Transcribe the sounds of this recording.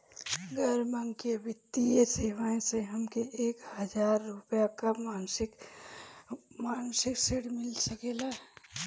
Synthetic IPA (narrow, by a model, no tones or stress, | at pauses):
ɡʱəɾməŋɡkebɪt̪ːieseʋaẽseɦəmkeʔeːkhɦəd͡ʒaːɾːupjakamaːnsik | maːnsikseɽmɪlsəkela